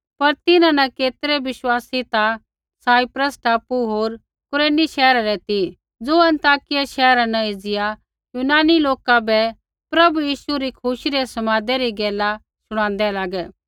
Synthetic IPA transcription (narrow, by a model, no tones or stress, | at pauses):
pɐɾt̪ɪnãnɐkeːt̪ɾɛbɪʃwaːsit̪a | saːipɾəsʈʰaːpuɦoːɾ | kʊɾeːniʃɛːɾaɾɛt̪i | d͡zoːɐ̃nt̪aːkɪjaʃɛːɾanɐed͡zɪja | juːnaːniloːkabɛ | pɾɐbujiːʃuɾikʰʊʃiɾɛsɐmaːd̪ɛɾiɡɛːla | sʊɽ̃ãːn̆d̪ɛlaːɡɛː